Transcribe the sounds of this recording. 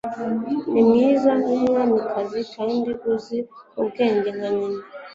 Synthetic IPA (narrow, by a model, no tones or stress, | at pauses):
nimɲiːzaɦimŋamikʰazikaindiɡuziubɡeːɲɟeŋwaɲina